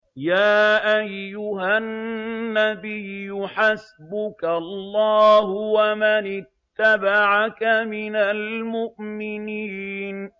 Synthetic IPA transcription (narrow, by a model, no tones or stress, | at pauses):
jaːʔajːʊɦanːabɪjːʊħasbʊkalːɑːɦʊwamanɪt̪ːabaʕakamɪnalmʊʔmɪniːn